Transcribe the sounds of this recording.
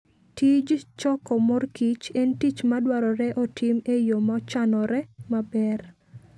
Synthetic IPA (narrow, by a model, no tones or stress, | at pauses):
tʰid͡ʒt͡ʃɔkɔmorkit͡ʃɛntit͡ʃmadwaɾɔɾɛʔɔtʰɪmejomat͡ʃanɔɾɛmabɛr